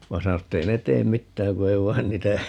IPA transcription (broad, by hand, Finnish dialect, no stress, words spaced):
ʋɑ sɑno etː ei ne teːm mitːæːŋ ku ei ʋɑin niːtæ